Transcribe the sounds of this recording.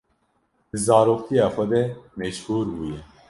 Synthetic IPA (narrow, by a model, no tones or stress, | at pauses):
d̪ɨzaːɾoːq̚t̪ʰijaːxɐd̪ɛmɛʃhuːɾbuːjɛ